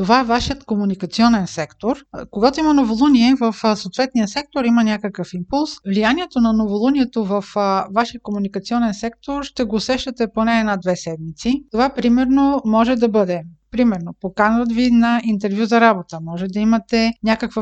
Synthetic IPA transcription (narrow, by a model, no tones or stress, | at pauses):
t̪ovaɛvaʃiət̪komunikɐt̪siɔnɛnsɛkt̪oɾkoɡat̪oimɐnovolˠuniɛvəfsoːt̪vɛt̪nijəsɛk̚t̪oɾimənʲakəkəfimpulˠsvlijaniɛt̪onɐnovolˠunʲiɛt̪ovɐfvaʃiəkomunikɐt̪siɔnɛnsɛk̚t̪oɾʃt̪ɛɡoːsɛʃt̪ɐt̪ɛponɛːnad̪vɛsɛd̪mit̪sit̪ovapɾimɛɾnomɔʒɛd̪ɐbɤd̪ɛpɾimɛɾnopokanvət̪vinɐint̪ɛɾvjuzɐɾabot̪əmɔʒɛd̪ɐimɐt̪ɛnʲakəkvə